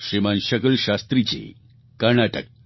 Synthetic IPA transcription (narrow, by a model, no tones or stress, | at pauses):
ɕɾimanɕəkəlɕast̪ɾit͡ɕḛ | kəɾɳaʈək̚